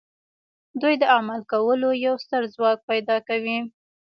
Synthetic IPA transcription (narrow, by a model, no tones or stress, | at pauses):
d̪ujd̪əamalkawəlojawst̪əɾzwɑk̚pajd̪ɑkawi